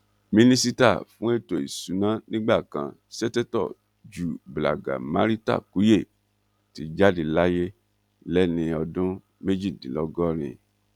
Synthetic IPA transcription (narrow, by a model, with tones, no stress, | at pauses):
mĩ˧nĩ˦si˦ta̰˦˨fũ˨˦e˦to˨ḭ˨su˨˦nã˨˦nĩ˦ɡ͡ba˦˨kã̰˧˨sɛ˦tɛ˦tɔ̰˦˨ | d͡ʒu˨bla̰˨ɡa̰˨mã˦ɾi˦ta̰˦˨ku˨˦je˦˨ | ti˨˦d͡ʒa˦di˧la˦je˦ | lɛ˦nĩ˧ɔ˧dũ˦ | me˦d͡ʒi˦˨dĩ˨˦lɔ˦ɡɔ˦ɾ̃ḭ̃˧